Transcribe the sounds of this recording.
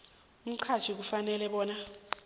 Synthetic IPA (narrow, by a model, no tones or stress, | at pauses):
um̩ǀʰḁt͡ʃʰik̬ufanɛlɛɓɔːna